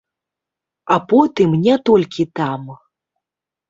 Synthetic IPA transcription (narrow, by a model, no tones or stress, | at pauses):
apɔt̪ɨmnʲɛt̪ɔlʲkʲit̪am